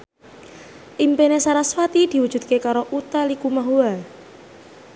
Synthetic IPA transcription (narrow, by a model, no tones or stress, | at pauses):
ʔimpenesaɾasfat̪id̪̥i̤wud̥ʒ̥ṳt̪̚kekaɾoʔut̪alikumaɦua